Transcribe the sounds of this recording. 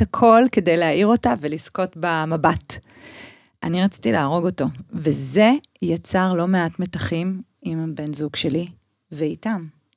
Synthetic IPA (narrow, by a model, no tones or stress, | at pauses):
akʰo̞lke̞dejleaʔiʁo̞tavelisko̞tbamabat | ʔaniʁat͡si̥tilaːʁo̞ɡo̞to̞veze̞jat͡saʁlo̞me̞atmetaχimimbe̞nzuɡʃe̞li | veitam